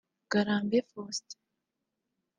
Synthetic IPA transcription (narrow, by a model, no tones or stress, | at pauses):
ɡ̥aɾaːmbefost